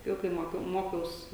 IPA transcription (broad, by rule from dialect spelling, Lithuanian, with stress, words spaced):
ˈjɛʊ kɐɪ ˈmoːkʲɛʊ ˈmoːkʲɛʊs